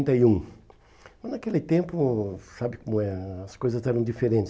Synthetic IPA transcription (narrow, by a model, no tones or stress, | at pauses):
nt̪ɐiũ | mɐznakelɪt̪ẽmpʊsabɪkõmʊɛɾɐɐskojzɐzɛɾɐ̃w̃d͡ʒifeɾẽt͡ʃɪ